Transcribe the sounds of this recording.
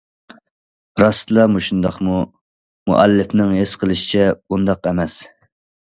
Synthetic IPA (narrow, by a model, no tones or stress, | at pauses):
ɾɑst̪lˠɑmuʃund̪ɑqmu | mṵʔɛlːɪfnɪŋɦesqʰəlˠɨʃi̥t͡ʃʰɛbund̪ɑqɛmɛs